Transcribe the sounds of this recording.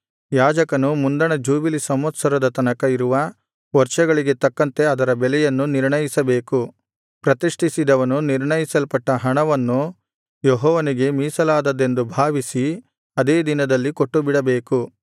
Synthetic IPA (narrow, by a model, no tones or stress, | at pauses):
jaːd͡ʒɐkɐnumund̪ɐɳɐd͡ʒuːbilisɐmɐt̪sɐɾɐd̪ɐt̪ɐnɐkɐiɾuʋɐ | ʋɐɾt͡ʃɐɡɐɭiɡe̞t̪ɐkːɐnt̪e̞ɐd̪ɐɾɐbɛlɛjɐnːuniɾɳɐjisɐbe̞ːku | pɾɐt̪iʂʈisid̪ɐʋɐnuniɾɳɐjisɐlpɐʈːɐɦɐɳɐʋɐnːu | jeɦɔːʋɐniɡe̞miːsɐlaːd̪ɐd̪ːe̞nd̪ubʱaːʋisi | ɐd̪e̞ːd̪inɐd̪ɐlːikoʈːubiɽɐbeːku